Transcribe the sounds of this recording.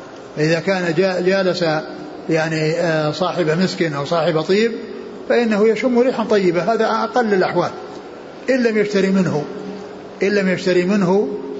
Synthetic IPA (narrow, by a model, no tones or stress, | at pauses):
faʔɪðakaːnad͡ʒad͡ʒaːlasa | jaʕnisˤɑːħɪbamɪskɪnʔawsˤɑːħɪbat̪ˤiːb̚ | faʔɪnːahujaʃʊmːʊɾiːħant̪ˤɑjːɪbaɦaːðaʔɑqɑlːɪlʔaħwaːl | ʔɪnːamjaʃt̪aɾimɪnɦu | ʔɪlːamjaʃt̪aɾimɪnɦu